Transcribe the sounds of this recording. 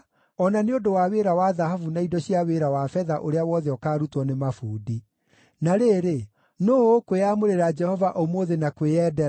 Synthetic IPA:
ɔnaneodowaweːɾawaðaɦavunaidɔɕiaweɾawafɛðaʔoɾeawɔðɛɔkaːɾutwɔnemafuːdi | naɾeɾe | noːkweamoɾeɾad͡ʒɛhɔvaʔomoːðenakweɛdɛɾa

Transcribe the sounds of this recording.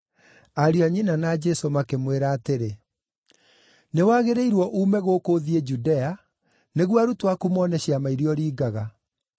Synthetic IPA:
aɾiɔɲinanad͡ʒɛsomakemweɾaːteɾe | newaːɣeɾeiɾwɔʔuːmɛɣoːkoðied͡ʒudɛa | neɣwaɾutwakumɔːnɛɕiamaiɾjɔɾiːɡaɣa

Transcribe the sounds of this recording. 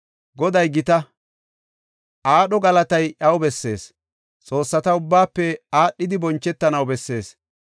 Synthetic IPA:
ɡɔd̪ɐjɡɪt̪ɐ | ʔaːɗɔɡɐlɐt̪ɐjʔɐwbɛsːe̞̰ːs | t͡sʼo̞ːsːɐt̪ɐʊbːaːpːɛaːɗːɪd̪ɪbɔnt͡ʃːɛt̪ːɐnɐwbɛsːe̞ːs

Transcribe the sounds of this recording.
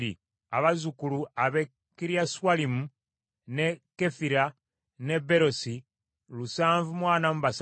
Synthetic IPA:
ḭ | a̰βazukuluaβe | kiɾjaswalimu | ne̞kefiɾa | ne̞beɾo̞si | lusaːɱvumwaːnamuβas

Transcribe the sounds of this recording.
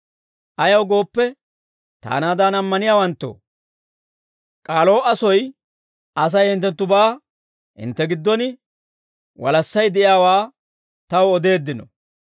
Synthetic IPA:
ʔɐjɐwɡo̞ːpːɛ | t̪a̰ːnaːd̪anɐmːɐnɪjaːwɐnt̪ːo̰ː | kʼaːlo̞ːɐsɔj | ʔɐs̬ɐjhɪnt̪ːɛnt̪ːʊbaː | ɪ̰nt̪ːɛɡɪd̪ːɔnɪ | wɐ̰lɐsːɐjd̪ɛʔɪjaːwaː | t̪ɐwɔd̪e̞ːd̪ːɪnɔ̰

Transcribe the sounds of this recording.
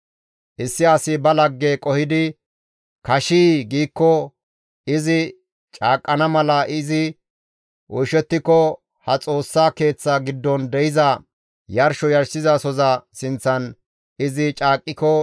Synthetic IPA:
ʔɪsːɪɐsɪbɐlɐɡːekʼɔhɪd̪ɪ | kɐʃiːɡiːkːɔ | ɪzɪ | t͡ʃʼaːkʼːɐnɐmɐlɐʔɪzɪ | ʔɔjʃɛt̪ːɪkːɔ | hɐt͡sʼo̞ːsːaːke̞ːt͡sːaɡɪd̪ːɔnd̪ɛjɪzɐ | jɐɾʃɔjɐɾsɪzɐsɔzɐsɪnt͡sːɐn | ɪzɪt͡ʃʼaːkʼːɪkɔ

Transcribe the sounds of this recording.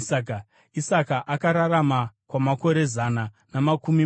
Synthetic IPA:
k | isakaʔakaɾaɾamakwamako̞ɾe̞zana | namakumi

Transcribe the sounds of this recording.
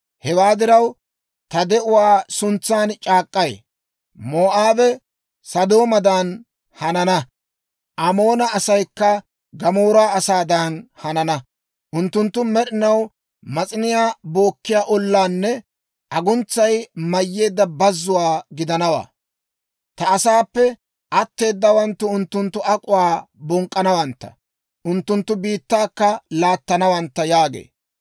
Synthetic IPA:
hɛwaːd̪ɪɾɐw | t̪ɐd̪ɛʔʊwaːsʊnt͡sːaːnt͡ʃʼaːkʼːɐj̰ | moːʔaːbɛ | sɐd̪o̞ːmɐd̪ɐn | hɐnɐnɐ | ʔɐmo̞ːnɐɐsɐjkːɐ | ɡɐmo̞ːɾʊaːɐsaːd̪ɐnhɐnɐnɐ | ʔʊnt̪ːʊnt̪ːʊmɛɗɪnɐw | mɐt͡sʼɪnɪjaːbo̞ːkːɪjaːʔɔlːaːnːɛ | ʔɐɡʊnt͡sːɐjmɐjːe̞ːd̪ːɐbɐzːʊwaːɡɪd̪ɐnɐwa̰ː | t̪ɐːsaːpːɛ | ʔɐt̪ːe̞ːd̪ːɐwɐnt̪ːʊʊnt̪ːʊnt̪ːʊʔɐkʼʊwaːbɔŋkʼːɐnɐwɐnt̪ːɐ̥̰ | ʔʊnt̪ːʊnt̪ːʊbiːt̪ːaːkːɐlaːt̪ːɐnɐwɐnt̪ːɐjaːɡḛː

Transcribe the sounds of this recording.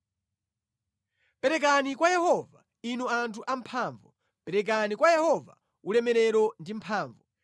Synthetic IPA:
pɛɾɛk̬anikwajɛhɔva | inɔantʰuʔampʰaːɱvɔ | pɛɾɛk̬anikwajɛhɔva̰ | ulɛmɛɾɛɾɔndimpʰaːɱvɔ

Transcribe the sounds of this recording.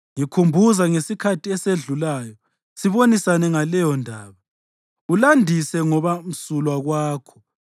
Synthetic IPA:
ŋikʰumbʱuzaŋesikʰatʰiɛseɮulaːjɔ | siβonisanɛŋalɛjɔndʱaːβa | ulandʱisɛŋɔβam̩sulwaɣwaːkʰɔ̥

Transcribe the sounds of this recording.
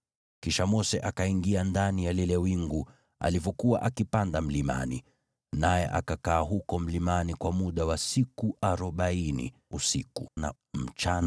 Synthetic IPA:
kiʃamɔsɛʔakaiŋɡiandanijalilɛwiŋɡu | a̰livɔkuwaʔakipandam̩lima̰nḭ | najɛ̰ʔa̰kakaːɦukɔm̩limanikwamuɗawasikuʔaɾɔɓainḭusikuna̰ | m̩t͡ʃan

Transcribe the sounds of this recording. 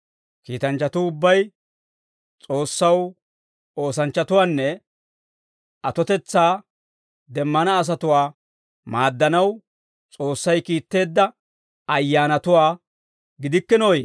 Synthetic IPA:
kiːt̪ɐnt͡ʃːɐt̪ʊʊbːɐj | t͡sʼo̞ːsːɐw | oːsɐnt͡ʃːɐt̪ʊwaːnːɛ | ɐt̪ɔt̪ɛt͡sːaː | d̪ɛmːɐnɐːs̬ɐt̪ʊwaː | maːd̪ːɐnɐw | t͡sʼo̞ːsːɐjkiːt̪ːe̞ːd̪ːɐ | ɐjːaːnɐt̪ʊwaː | ɡɪd̪ɪkːɪnoje

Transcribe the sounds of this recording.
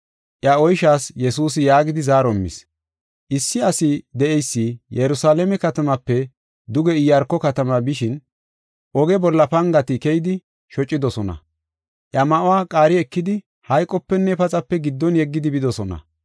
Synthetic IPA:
ʔjɐɔjʃaːsjɛsuːsɪjaːɡɪd̪ɪzaːɾɔmːɪ̰s | ʔɪsːɪɐsɪd̪ɛʔɛjsːɪjɛɾʊsaːlɛmɛkɐt̪ɐmɐpːɛ | d̪ʊɡɛɪjɐɾkːɔkɐt̪ɐmabɪʃɪn | ʔɔɡɛbɔlːɐpɐŋɡɐt̪ɪkɛjɪd̪ɪ | ʃɔt͡ʃʼːɪd̪ɔsɔnɐ̰ | ʔjɐmɐʔɔwaːkʼaːɾɪɛkːɪd̪ɪ | hɐjkʼːɔpːɛnːɛpɐt͡sʼɐpːɛɡɪd̪ːɔnjɛɡːɪd̪ɪbɪd̪ɔsɔnɐ̰

